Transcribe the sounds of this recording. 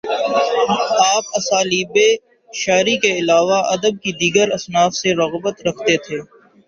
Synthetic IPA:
aːpɐsaːliːbe | ʃaːɾikeɪlaːʋaɐd̪əb̚kid̪iːɡəɾɐsnaːfseɾɐɣbət̪ɾɐkʰt̪et̪ʰeː

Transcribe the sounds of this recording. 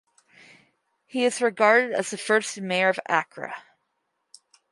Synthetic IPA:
hiɨzɹɨɡɑɹɾɨɾɨ̰zðɨfɜ˞stmeɪə˞ʌvæ̰kʰɹɨ̰

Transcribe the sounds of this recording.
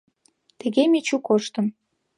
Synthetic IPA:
t̪ĕɣemet͡ɕukoʃt̪ə̆m

